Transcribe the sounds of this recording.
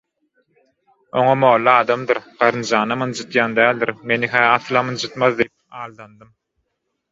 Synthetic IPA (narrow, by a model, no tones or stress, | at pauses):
oŋɑmoːlˠːɯɑːd̪ɑmd̪ɯɾɢ̥ɑɾɯnd͡ʒɑːnɑmɯnd͡ʒɯt̪jɑːnd̪æːlʲd̪iɾme̞niɦæːɑθlˠɑmɯnd͡ʒɯt̪mɑðd̪ijip̚ɑːlˠd̪ɑnd̪ɯm